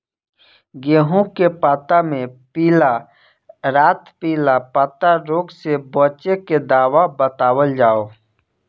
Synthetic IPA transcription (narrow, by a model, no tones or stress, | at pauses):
ɡeːɦõkepaːt̪amẽpiːla | ɾaːt̪piːlapaːt̪aɾoːɡsebɔːt͡ʃeked̪aːwabət̪aːwəld͡ʒaːo